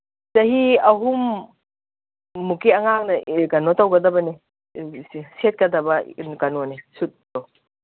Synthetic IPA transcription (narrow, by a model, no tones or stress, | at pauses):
t͡ʃɐɦiɐɦum | ukeɐŋak̚nɐkɐnɔtɐwɡɐdɐbɐne | set̚kɐdɐbɐnkɐnɔnesut̚tow